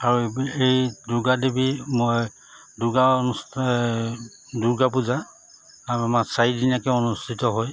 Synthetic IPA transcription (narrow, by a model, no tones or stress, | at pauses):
aɹuejdʊɡadebimoj | duɡaonus | duɡapuza | amamasaidinakɛonustʰitɔɦoj